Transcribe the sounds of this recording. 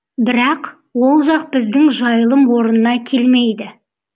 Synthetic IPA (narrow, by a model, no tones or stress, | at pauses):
bɪɾɑq | wo̞lˠʒɑq̚bɪzd̪ɪŋʒɑjəlˠəmwo̞ɾənənɑkʲʰe̞lmejd̪ɪ